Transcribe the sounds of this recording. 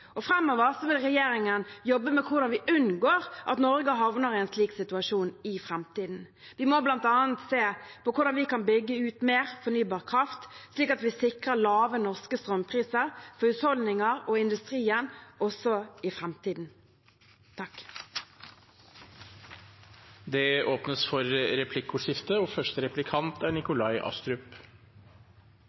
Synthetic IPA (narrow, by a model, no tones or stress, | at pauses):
ɔfʁɛmːɔʋəʁsɔʋɪlʁɛjeːɾɪŋənjɔbːəmɛkʰʊʁd̪ɑnʋɪʔʉnɡoːʁʔɑ̰t̪nɔɾɡəɦɑʋnəɾɪɛnsliːksɪt̪ʉɑʂuːnɪfʁɛmt̪iːd̪n̩ | ʋɪmoblɑnt̪ɑːənt̪seːpɔkʰʊɾd̪ɑnʋɪkɑnbʏɡːəʉːt̪meːʁfɔnyːbɑːʁkʰʁɑft̪sliːkɑt̪ʋɪsɪkʁəlɑːʋənɔʁskəst̪ɾœmpʰʁiːsəʁfɔʉt̪hɔld̪nɪŋɑʁɔːɪnd̪ʉst̪ʁiːənʔɔsɔɪfʁɛmt̪iːd̪n̩ | t̪ʰɑk | d̪ɛoːpnəsfɔɾɾɛpʰlɪkːʊʂɪft̪əɔːfœʂʈəɾɛplɪkʰɑnt̪æɳɪkʊlɑɪʔɑ̰st̪ɾʉp